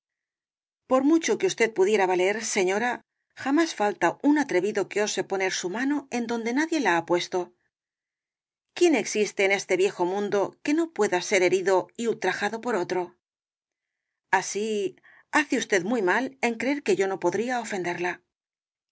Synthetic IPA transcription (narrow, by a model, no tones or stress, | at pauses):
po̞ɾmut͡ʃo̞keust̪e̞t̪̚puðje̞ɾaβaleɾse̞ɲo̞ɾa | xamasfalt̪aunat̪ɾe̞βiðo̞keo̞se̞po̞neɾsumano̞e̞nd̪o̞nd̪e̞naðje̞laapwe̞st̪o̞ | kje̞ne̞ksist̪e̞ːne̞st̪e̞βje̞xo̞mũnd̪o̞ke̞no̞pwe̞ðase̞ɾe̞ɾiðo̞iult̪ɾaxaðo̞po̞ɾo̞t̪ɾo̞ | asi | aθeust̪e̞ðmwujmale̞ŋkɾe̞eɾke̞ʝo̞no̞po̞ðɾiao̞fe̞nd̪e̞ɾla